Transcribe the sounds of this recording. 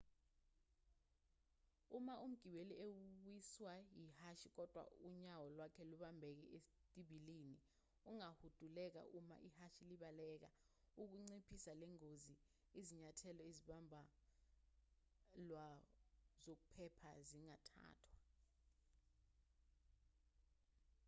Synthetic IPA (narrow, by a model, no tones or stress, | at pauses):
umaʔum̩ɡ̥ʱiɓeliewiswajihaʃik̬ɔd̥ʱwa̰uɲawɔlwakʰɛluɓambʱɛk̬ɛ̰etʼiɓiliːni | uŋahud̥ʱulɛk̬a̰ʔuma̰ʔihaʃiliɓalɛːk̬a̰ | uk̬uŋ͡ǀipʰisalɛŋozi | iziɲatʰɛlɔeziɓambʱa | lwa | zok̬upʰɛpʰaziŋatʰa̰ːtʰwa